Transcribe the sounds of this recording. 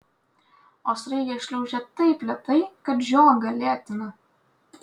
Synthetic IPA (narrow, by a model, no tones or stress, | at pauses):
oːsɾɐɪɡʲɛʃʲlʲɛʊʒʲɛt̪ɐɪpʲlʲɛt̪ɐɪkɐpʒʲoːŋɡɐlʲæːt̪ʲɪnɐ